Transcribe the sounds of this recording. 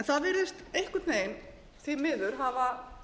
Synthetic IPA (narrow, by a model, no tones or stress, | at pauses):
ɛnθaðvɛɾʏst̪ejhkʏt̪neːjn | θimɪðʏɾ̥ɦava